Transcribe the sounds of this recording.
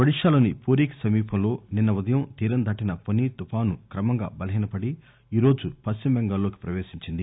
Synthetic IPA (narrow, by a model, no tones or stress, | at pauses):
ʋɐɽiʂaːlɐnipoːɾiːkɐ̥sɐmiːpɐmlo̞ːninːɐʋud̪ɐjɐmt̪iːɾɐnd̪ʱɐʈinɐponit̪upaːnukɾɐmɐŋɡa̰ːbɐlɐɦiːnɐpɐɽi | iːɾo̞ːd͡ʒupɐsːimbeŋɡɐlːo̞ːki̥pɾɐʋe̞ːʃiɲt͡ʃind̪i